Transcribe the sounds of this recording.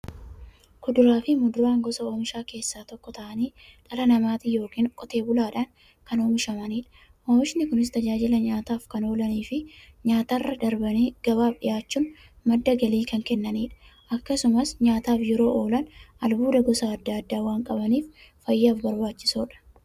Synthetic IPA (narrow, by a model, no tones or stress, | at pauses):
kʊd̪ʊɾaːfɪmʊd̪ʊɾaːŋɡɔsɐo̞ːmɪʃaːke̞ːsːaːt̪ɔkːɔt̪ɐʔɐniːᶑʼɐlɐnɐmaːt̪ɪjo̞ːkiːŋkʼɔt̪e̞ːbʊlaːᶑɐŋ | kɐno̞ːmɪʃɐmɐniːᶑɐ̥ | ʔoːmɪʃnɪkʊnɪs̬t̪ɐd͡ʒaːd͡ʒɪlɐɲaːt̪aːfkɐno̞ːlɐniːfɪɲaːt̪arːɐd̪ɐɾbɐniːɡ̥ɐbaːfɗɪjaːt͡ʃːuːn | mɐd̪ːɐɡɐliːkɐŋkɛnːɐniːᶑɐ̥ | ʔɐkːɐsʊmɐsɲaːt̪aːfjɛɾo̞ːʔo̞ːlɐnɐlbuːd̪ɐɡɔsaːd̪ːɐːd̪ːaːwaːŋkʼɐbɐniːf | fɐjːaːfbɐɾbaːt͡ʃːɪ̥soːᶑɐ̥